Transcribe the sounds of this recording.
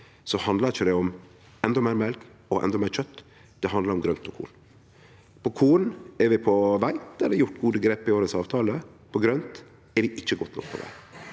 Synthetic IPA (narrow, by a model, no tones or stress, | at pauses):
sɔhɑnd̪ləɾɪçːəd̪ɛɔm | ɛnd̪ɔmæɪɾmɛlkɔʔɛ̰nd̪ɔmæɪɾt͡ʃœt̪ː | d̪̥ɛɦɑnd̪lɑɾɔmɡɾœnt̪ʰɔkʰṵːn | pʰɔkʰuːnɛɾʋɪpʰɔʋæɪɛlːəɾjʊʈːɡuːd̪əɡɾeːpɪoːɾəsɑːʋt̪ʰɑːləpʰɔɡɾœnt̪ | ɛɾʋɪʔɪçːəɡɔt̪ːnɔ̰k̚pʰɔ̰ʋæ̰ɪ